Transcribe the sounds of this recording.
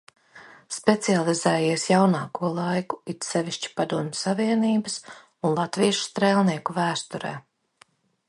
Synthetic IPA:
spet̪sialˠizɛːjiɛsjawnɑːkuɔlˠajku̥it̪sɛviʃt͡ʃi̥pad̪uɔmʲsaviɛniːbəs | unlˠat̪viʃst̪ɾeːlˠniɛkuvæːst̪uɾɛ̰ː

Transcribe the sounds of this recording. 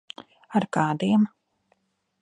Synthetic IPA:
aɾkɑːd̪iɛm

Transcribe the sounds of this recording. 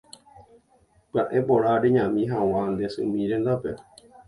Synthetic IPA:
pɨaʔẽpoɾaɾeɲãmĩɦãw̃ãnd̪esɨ̰̃mĩɾend̪ape

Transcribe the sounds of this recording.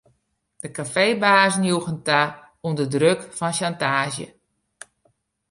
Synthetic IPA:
d̥əkafejbaːzənjuɣənta | undədrøkfɔnʃantaːʒjə̰

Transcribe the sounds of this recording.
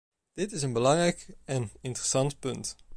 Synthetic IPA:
d̥ɪtɪsənbəlɑŋrɛjkɛnɪntərəsɑntpɵnt

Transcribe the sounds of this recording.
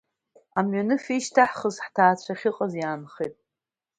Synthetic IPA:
amɥanɨfiʃtʰaħχəzħtʰaːt͡ɕʷʰaχʲɪqʼazjaːnχijtʼ

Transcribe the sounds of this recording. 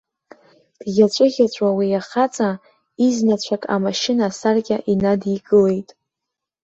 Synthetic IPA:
d̥ɡʲat͡ʃʷʼɨɣʲat͡ɕʷʼawijaχat͡sʼa | iznat͡ɕʷʰakʼa̰maʃɪnasarɡʲaʔinadiɡʼɨle̞jtʼ

